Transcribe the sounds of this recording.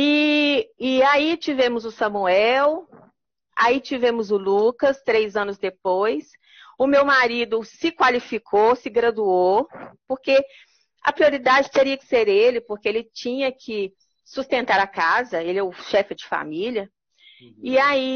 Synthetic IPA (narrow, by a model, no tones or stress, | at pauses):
ɪː | ait͡ʃivẽmʊzʊsɐ̃muɛw | a̰it͡ʃivẽmʊzʊlukɐst̪ɾejzɐ̃nʊzd̪epojs | ʊmewmaɾid̪ʊsɪkwalifikʰosɪɡɾɐd̪uopoɾke | ɐ̰pɾioɾid̪ad͡ʒɪt̪eɾiɐkɪ̥seɾelɪpoɾkeelɪt͡ʃĩɲɐkʰɪ | sust̪ẽnt̪aɾakazɐelɛʊʃɛfɪd͡ʒɪfa̰miljɐ | ɪai